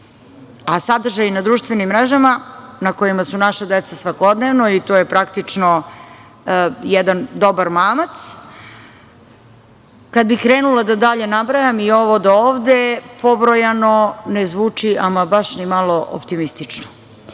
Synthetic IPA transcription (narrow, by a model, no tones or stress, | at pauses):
asad̪r̩ʒajinad̪ɾuːʃt̪ʋenimːɾeʒamanako̞jimasunaʃad̪et̪sasʋako̞d̪neʋno̞it̪ojepɾakt̪it͡ʂno | jɛd̪and̪o̞baɾmaːmat̪s | kad̪̚bikɾeːnulad̪ad̪aʎe̞nabɾajamio̞ʋod̪aoːʋd̪epobɾojano̞nezʋuːt͡ʂiamabaʃnimalˠo̞ʔo̰pt̪imist̪it͡ʂno